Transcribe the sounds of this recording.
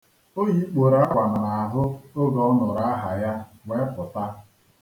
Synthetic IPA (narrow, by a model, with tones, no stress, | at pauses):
o˦ɲi˦k͡po˨ɾa˦ɡʷa˨na˨na˨a˨ɦʊ˦o˦ɡɔ˦nɔ˨ɾa˦a˦ɦa˨ja˦ŋʷe˦pʊ˨ta˦